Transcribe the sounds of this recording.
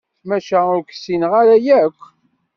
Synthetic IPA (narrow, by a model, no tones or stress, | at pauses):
mæʃæʊɾkə̥sinʁaɾæjækʷː